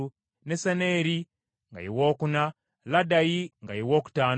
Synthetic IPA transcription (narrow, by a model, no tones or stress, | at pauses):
nesaneːɾi | ŋɡa̰jiwoːkuna | ladajiŋɡajiwoːku̥taːn